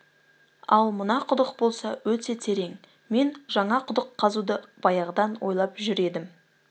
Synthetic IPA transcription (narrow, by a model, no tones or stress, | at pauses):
ɑlˠmənɑqʰʊd̪əqbo̞lˠsɑwɵt̪e̞t̪ʲʰeɾe̞ŋ | me̞nʒɑɴɑqʰʊd̪əqʰːɑzud̪əb̥ɑjɑʁəd̪ɑnwo̞̰jlˠɑpʒʏɾe̞d̪ɪm